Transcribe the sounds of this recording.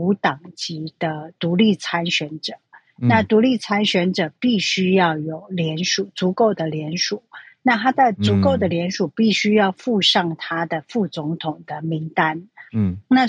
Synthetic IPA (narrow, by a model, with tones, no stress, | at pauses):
u˧˥t̪ɑ˨˩ŋt͡ɕi˧˥d̪̥ə˧t̪u˧˥li˥˩t͡sʰa˥nɕɥɛ˧˥nʈ͡ʂɤ˨˩˦ | na˥˩t̪u˧˥li˥˩t͡sʰa˥nɕɥɛ˧˥nʈ͡ʂɤ˨˩pi˥˩ɕy˥jɑ˥˩ʊjo˨˩ʊljɛ˧˥nʂu˨˩˦t͡su˧˥ko˥˩ʊd̪ə˩ljɛ˧˥nʂu˨˩˦ | na˥˧t̪ʰa˥d̪ə˨t͡su˧˥ko˥˩ʊd̪ə˩ljɛ˧˥nʂu˨˩pi˥˩ɕy˥jɑ˥˧ʊfu˥˧ʂɑ˥˩ŋt̪ʰa˥d̪ə˨fu˥˩t͡sʊ˧˥ŋt̪ʰʊ˨˩ŋd̪̥ə˦mi˧˥ŋt̪a˥nna˥˩